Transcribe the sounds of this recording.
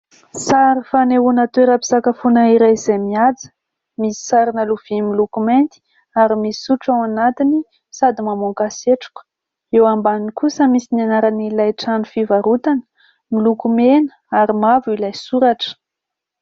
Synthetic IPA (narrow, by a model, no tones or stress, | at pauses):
saɾifaneunat̪weɾəpi̥sakafunaiɾajizajmiad͡zə̥ | misi̥saɾinəluv̥imilukument̪i̥ | aɾimisi̥suʈ͡ʂawanat̪ini | sad̪imamoŋkaseʈ͡ʂu̥k | ewambaninikusəmisinianaɾanilajʈ͡ʂanufivaɾut̪anə̥ | milukumenə̥ | aɾimavuilajsuɾaʈ͡ʂə̥